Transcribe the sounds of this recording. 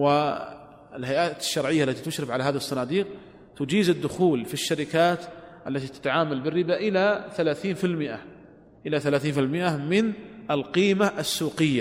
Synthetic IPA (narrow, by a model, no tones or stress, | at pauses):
wɪ | ɪlɦajʔaːt̪ɪʃːɑɾˤʕɪjːaʔalːat̪it̪ʊʃɾɪbʕalaɦaːðihsˤːɑnɑːd̪iːq̚ | t̪ʊd͡ʒiːzɪd̪ːʊxuːlfiʃːaɾɪkaːt̪ʔalːat̪it̪ḁt̪aʕaːmalbɪrːɪbaʔɪlaθalaːθiːnfɪlmɪʔa | ʔɪlaθalaːθiːnfɪlmɪʔamɪnɪlqiːmaʔasːuːqɪjːa